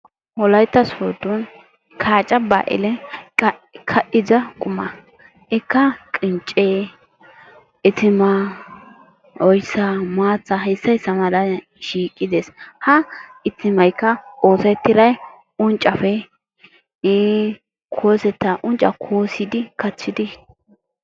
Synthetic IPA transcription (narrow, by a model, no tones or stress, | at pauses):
wɔlɐjt̪ːɐsuːd̪ʊn | kʰaːt͡ʃʼːɐba̰ːʔɪ̰lɛ | kʰɐʔɪzɐkʼʊmɐ | ɪkːɐkʼɪnt͡ʃʼːeː | ɪt̪ɪma | ʔɔjsːɐmaːt͡sːɐɦɛsːɐjsːɐmɐlɐ | ʃiːkʼːɪd̪eːshɐɪt̪ːɪmɐjkːɐo̞ːsɐt̪ːɪɾɐj | ʊnt͡ʃʼɐfɛ | kʰoːsɛt̪ːɐʔʊnt͡ʃʼɐ̰kʰoːsɪd̪ɪkɐt͡sːɪd̪ɪ